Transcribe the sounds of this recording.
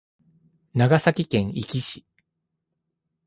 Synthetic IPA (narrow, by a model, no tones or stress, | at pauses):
naɡasakʲikẽ̞ŋ̃ikʲiɕi̥